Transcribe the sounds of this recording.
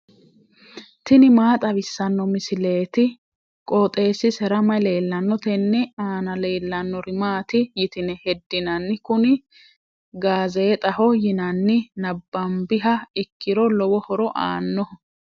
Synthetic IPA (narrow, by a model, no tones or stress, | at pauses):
t̪ɪnɪmaːt̪ʼɐβɪsːɐnːɔmɪsɪle̞ːt̪ɪ | kʼɔːt̪ʼe̞ːsɪsɛɾɐmɐjle̞ːlːɐnːɔt̪ɛnːɛaːnɐle̞ːlːɐnːɔɾɪmaːt̪ɪjɪt̪ɪnɛhɛd̪ːɪnɐnːɪkʊnɪ | ɡaːzeːt̪ʼɐhɔjɪnɐnːɪnɐbːɐmbɪɦɐɪkːɪɾɔlɔwɔhɔɾɔʔa̰ːnːɔ